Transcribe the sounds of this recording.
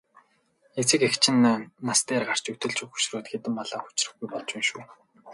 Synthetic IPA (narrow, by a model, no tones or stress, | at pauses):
et͡sɘ̆kext͡ɕʰɪ̆nːast̪eːrɢar̥t͡ɕɵwt̪ɘ̆ɮt͡ɕɵxu̥ʃroːt̪ɡet̪ɘ̆mpɔɮaːxʊ̥t͡ɕrɘ̆xɡujpɔɮt͡ɕpĭːnʃuː